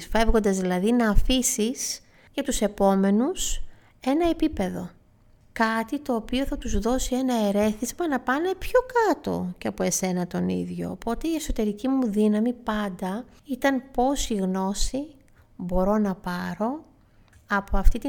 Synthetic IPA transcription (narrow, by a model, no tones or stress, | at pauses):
fe̞vɣo̞nd̪ɐzðilɐðinɐːfisis | ʝɐt̪use̞po̞me̞nus | e̞nɐe̞pipe̞ðo̞ | kɐt̪it̪o̞ːpio̞θɐt̪uzðo̞sie̞nɐeɾe̞θizmɐnɐpɐne̞pço̞kɐt̪o̞̰ceɐpoe̞se̞nɐt̪o̞nḭðʝo̞̰po̞t̪eie̞so̞t̪e̞ɾicimuðinɐmipɐnd̪ɐ | it̪ɐnpo̞siɣno̞si | bo̞ɾo̞nɐpɐɾo̞ | ɐpoɐft̪it̪i